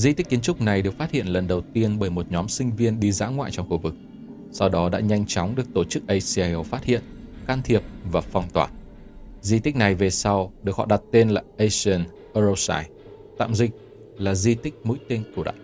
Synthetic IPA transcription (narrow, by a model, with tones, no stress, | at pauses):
zi˧t̪i˦˥k̟̚ki˨ənt͡ɕʊ˦˥k͡p̚na˨˩jɗɨ˨˩ək̚faː˦˥t̚hḭ˧˨ənlə˨˩nɗə˨˩wt̪i˧ənɓəː˧˩jmo˨˩t̚ɲɔ˨˦msï˧ŋ̟vi˧ənɗi˧za̰ː˧˥ŋwa̰ː˧˨jt͡ɕɔ˧wŋ͡mxu˧vɨ˨˩k̚ | sa˧wɗɔ˨˦ɗa̰ː˧˥ɲa˧jŋ̟t͡ɕɔ˨˦wŋ͡mɗɨ˨˩ək̚t̪o˧˩t͡ɕɨ˦˥k̚ʔə˧jsi˧a˧jʔo˧faː˦˥t̚hḭ˧˨ənkaː˧nt̪ʰi˨˩əp̚vaː˨˩fɔ˨˩wŋ͡mt̪waː˧˩ | zi˧t̪ï˦˥k̟̚na˨˩jve˨˩sa˧wɗɨ˨˩ək̚hɔ̰˧˨ɗa˨˩t̚t̪e˧nlaː˨˩ʔə˧sə˧˩n | ʔə˧zo˧wsaː˧˩j | t̪a̰ː˧˨mzï˧˩k̟̚ | laː˨˩zi˧t̪ï˦˥k̟̚mṵ˧˥jt̪e˧nku˧˩ɗa̰ː˧˨